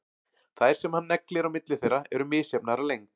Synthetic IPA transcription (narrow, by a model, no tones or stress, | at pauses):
θajɾ̥sɛmhanːɛklɪɾawmɪt̪lɪθejraɛɾʏmɪːsjapnaɾalejŋk